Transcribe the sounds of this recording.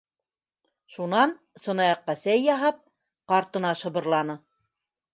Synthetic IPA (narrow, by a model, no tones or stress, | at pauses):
ʃunɑn | sɤ̆nɑjɑqːɑsæjːɑɦɑp̚ | qɑɾt̪ɤ̆nɑʃɤ̆βɤ̆ɾlˠɑnɤ